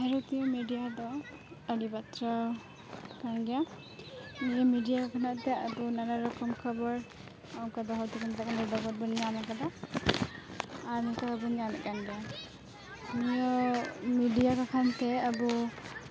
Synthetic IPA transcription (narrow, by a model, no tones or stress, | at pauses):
hɛɾɔt̪ijɔmidijad̪ɔ | aɾibat̪ɾa | kanɡɛja | nijɔmidijakakʰanaʔt̪ɛabunaɾaɾɔkɔmkʰɔbɔɹ | awkad̪ɔɦɔwt̪ikʰant̪akanɔdɔɡɔt̚bɔnianakad̪a | aɾnikakabɔnianaʔkanɡɛja | nijɔmidijakakʰant̪ɛabu